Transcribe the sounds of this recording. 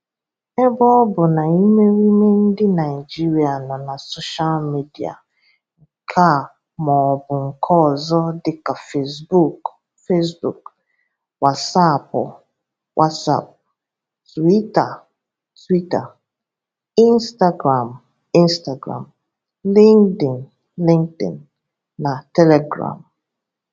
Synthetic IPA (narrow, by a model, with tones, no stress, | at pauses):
ɛ˦bɔ˦bʊ˨na˨i˦me˦ɾi˦me˦n̩˦dɪ˦na˨ɪ˨d͡ʒi˦ɾi˨a˨nɔ˨na˨so˦ʃa˦lmi˦di˨a̰˨ | ŋ̩˨kʰa˦˨ | mɔ˨bʊ˨ŋ̩˨kʰɔ˦˨zɔ˦dɪ˦ka˨fe˦sbu˦˨k | fe˦sbu˨k | wa˨sa˦˨pʊ˨ | wʔa˦tsa̰˨p̚ | twi˦ta˨ | twi˦ta˨ | ĩ˦nsta˦ɡɾã˨m | ĩ˦nsta˨ɡɾã̰˨m | lĩ˦ŋdĩ˨n | lĩ˦ŋk̚tḭ̃˨nː | ã˨tɛ˦lɛ˨ɡɹã̰˨m